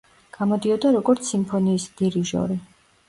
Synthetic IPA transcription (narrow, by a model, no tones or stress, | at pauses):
ɡ̥amɔd̪iɔd̪aɾɔɡɔɾt̪sʰimpʰɔniːsd̪̥iɾiʒɔ̰ɾi